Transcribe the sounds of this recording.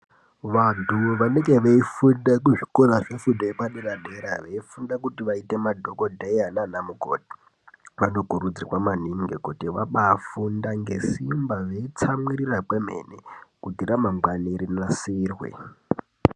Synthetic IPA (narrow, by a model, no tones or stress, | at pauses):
ʋantʰuʋaneŋɡe̞ʋeifudakuʐi̥koraʐefudʱoepaɗiɾaɗeɾaʋeifundakutiʋaitemadʱokodʱeiɦananamuɡʱo̰di̥ | ʋanokuɾud͡zirwamaniŋɡekutiʋa̰ɓafundaŋɡe̞̰simbaʐeit͡samwirirakwemḛnekudʱiɾamamɡwaneɾinasiːrwḛ